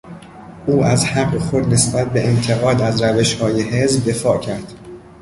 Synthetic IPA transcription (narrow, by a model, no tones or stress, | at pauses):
ʔuːʔæzhæɡːexo̞d̪ne̞sbæt̪̚ʰbe̞ent̪ʰe̞ɣɒːd̪æzɾæve̞ʃhɒːjeɦezbd̪e̞fɒːʔcʰæɾd̪̥